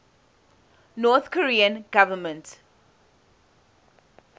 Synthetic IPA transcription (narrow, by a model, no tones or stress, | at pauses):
nɔːθkʰɔɹiːə̃nɡ̥avəmə̃nt